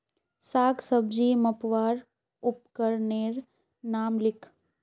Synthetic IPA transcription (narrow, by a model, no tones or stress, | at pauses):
saːɡsəbd͡ʒiːmɐpʋaːɾ | ʊp̚kəɾneːɾ | naːmlɪkʰ